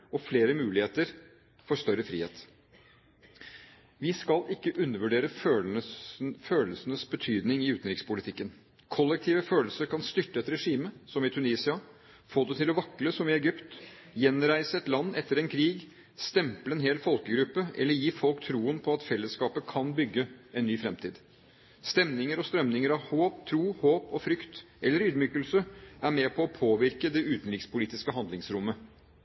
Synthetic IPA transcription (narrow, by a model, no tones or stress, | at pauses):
ɔfleːɾəmʉːlɪeːt̪əɾ | fɔʂt̪œɾəfɾḭːheːt̪ | ʋɪskɑlʔɪkːəʔʉnːəɾʋʉɖeːɾəf | føːləsənəsbət̪ʰyːd̪nɪŋɪʉːt̪nɾɪkspʊlɪt̪ʰɪkːən | kʰɔlːɛk̚t̪ʰiːʋəføːləlsəɾkʰɑnst̪ʏʈːəɛt̪ɾɛʂiːməsɔmɪt̪ʰʉniːsɪɑ | foːd̪ɛt̪ʰɪlɔʋɑkːləsɔmɪɛɡʏpt̪ | jɛnɾæɪsəɛt̪lɑnːɛt̪ːəɾɛnkʰɾiːɡ | st̪ɛmpləɛnɦeːlfɔlkəɡɾʉpːəʔɛ̰lːəɾjiːfɔlkt̪ʰɾuːənpʰɔɑt̪fɛlːəskɑːpəkʰɑnbʏɡːəɛnːyːfɾɛmt̪ʰiːd̪ | st̪ɛmnɪŋəɾɔst̪ɾœmnɪŋəɾɑʋhoːp̚t̪ʰɾuːhoːpɔfɾʏkt̪ʔɛlːəɾyːd̪myːkəlsəʔæɾmɛpʰɔːpʰoːʋɪɾkəd̪ɛʉːt̪ənɾɪkspʊliːt̪ɪskəɦhɑnd̪lɪŋsɾʊmːə